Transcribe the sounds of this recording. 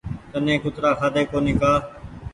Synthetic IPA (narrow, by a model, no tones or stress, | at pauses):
t̪ənẽːkʊt̪ɾaːkʰaːd̪eːkoːnĩːkaː